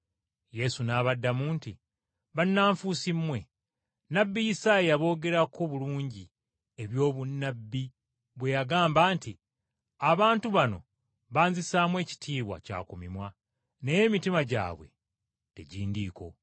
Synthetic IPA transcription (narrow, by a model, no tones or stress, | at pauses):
je̞sunaːβadːamuːnti | βanːaːɱfusimːwe̞ | nabːijisaːiaβo̞ːɡe̞ɾako̞βuluːɲɟi | e̞βjo̞ːβunːabːi | βwe̞jaɡaːmbaːnti | aβaːntuβano̞ | βaːnzisaːmwe̞ːci̥tʰiːβwa̰ca̰ːkumimwa | ne̞je̞mitimaɟa̰ːβwe̞̰ | te̞̰ɟiːndiːko̞̰